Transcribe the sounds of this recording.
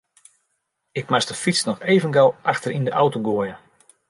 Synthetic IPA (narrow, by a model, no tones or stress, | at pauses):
ɪk̚masdəfit͡snɔxejvənɡalˠʔaxtərindəʔawtoɡoəjə